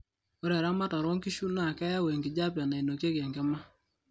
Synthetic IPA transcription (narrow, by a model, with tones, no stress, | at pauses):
o˦ɾɛ˨ɾa˦ma˦ta˨ɾɔ˦ŋki˦ʃu˦na˦˨kɛ˦ja˦wɛ˨ŋɡi˨d͡ʒa˦p̬ja˨na˨i˨no˨kje˦kɛ˨ŋɡɛ˦ma˦